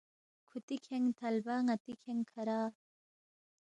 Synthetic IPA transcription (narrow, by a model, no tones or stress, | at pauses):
kʰut̪ikʰeŋt̪ʰɐlbaŋɐt̪ikʰeŋkʰɐɾaː